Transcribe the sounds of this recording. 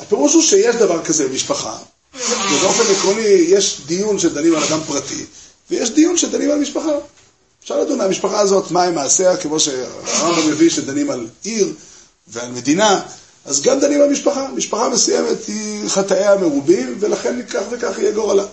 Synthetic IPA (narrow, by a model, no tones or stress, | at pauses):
ape̞ʁuʃuʃeje̞ʃd̪avaʁkazebemiʃpaχa̰ | vebeo̞fe̞nekʁonijeʃd̪ijunʃed̪animalad̪ampʁat̪ḭ | vejeʃd̪ijunʃed̪animalmiʃpaχa | ʃaʁlad̪unamiʃpaχaːzo̞t̪maimaːseakemo̞ʃḛaʁambame̞viʃed̪animaliʁ | vealme̞d̪ina | ʔazɡamd̪animalmiʃpaχamiʃpaχame̞sujeme̞t̪iχat̪aehame̞ʁubimve̞laχe̞nkaχvekaχijeɡoʁala